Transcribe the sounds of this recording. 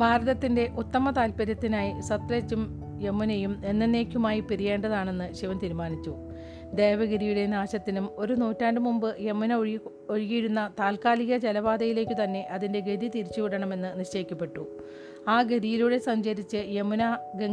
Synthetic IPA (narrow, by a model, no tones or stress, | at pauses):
bʱaːɾɐðɐt̪ːinde̞ʔut̪ːɐmɐt̪aːlpɐɾjɐt̪ːinaːjisɐt̪reːt͡ɕːum | jemːunejume̞nːɐnːe̞ːkʲːumaːjipiɾije̞ːɳɖɐðaːɳe̞nːɨɕiʋɐmt̪iːɾumaːnit͡ɕːu | d̪e̞ːʋɐɡiɾijuɽe̞naːɕɐt̪ːinumo̞ɾunuːtːaːndɖɨmumbɨjemːunɐ | oɻiɣijiɽunːɐt̪aːlkaːliɣɐd͡ʑelɐʋaːd̪ɐjile̞ːkʲːɨt̪ɐnːe̞ʔɐðinde̞ɡeðit̪iɾit͡ɕːuʋiɽɐɳɐme̞nːɨniɕt͡ɕejikʲːɐpːe̞ʈːu | aːɡeðijiluɽe̞sɐɲd͡ʑɐɾit͡ɕːɨjemunɐɡe